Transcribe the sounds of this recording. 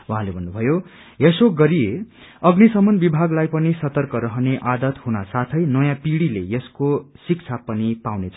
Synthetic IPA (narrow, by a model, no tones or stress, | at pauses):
wuɦãlebʱʌnːubʱʌjo | esoɡʌɾije | ʌɡnisʌmʌnbibʱaɡlajpʌnisʌt̪ʌrkʌɾʌɦʌneʔad̪ʌt̪ɦunasat̪ʰʌjnʌjãpiɽilejeskosikt͡sʰapʌnipawnet͡sʰ